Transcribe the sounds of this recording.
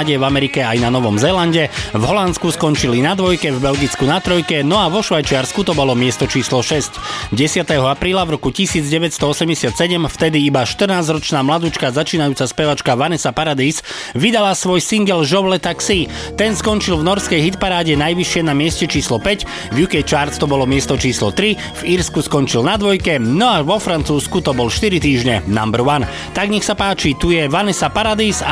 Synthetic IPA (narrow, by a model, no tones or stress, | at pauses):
ɟɛvamɛɾikɛajnanɔʋɔmzɛlanɟɛvɦɔlant̪skuskɔnt͡ʃilinad̪ʋɔjkɛvbɛlɡit͡skunat̪ɾɔjkɛnɔaʋɔʃʋajt͡ʃɪaɾskut̪ɔbɔlɔmɪɛst̪ɔt͡ʃiːslɔʃɛscɟɛsɪat̪ɛɦɔapɾiːlavɾɔkucisiːd͡zɟɛʋɛcst̪ɔɔsɛmɟɛsɪat̪sɛɟɛmft̪ɛd̪iibaʃt̪r̩naːzɾɔt͡ʃnaːmlad̪ut͡ʃkazat͡ʃiːnajuːt͡saspɛʋat͡ʃkaʋanɛsapaɾad̪iːs | ʋid̪alasʋɔjsiŋɡɛlʒɔʋlɛt̪aksi | t̪ɛnskɔnt͡ʃilvnɔɾskɛjɦit̪paɾaːɟɛnajʋiʃɪɛnamɪɛscɛt͡ʃiːslɔpɛc | ʋjukɛjt͡ʃaːɾt͡st̪ɔbɔlɔmɪɛst̪ɔt͡ʃiːslɔ̰t̪ɾi | v̥iɾskuskɔnt͡ʃilnad̪ʋɔjkɛnɔaʋɔfɾant͡suːskut̪ɔbɔlʃt̪iɾit̪iːʒɲɛna̰mbɾwan | t̪aɡɲɛxsapaːt͡ʃit̪ujɛʋanɛsapaɾad̪iːs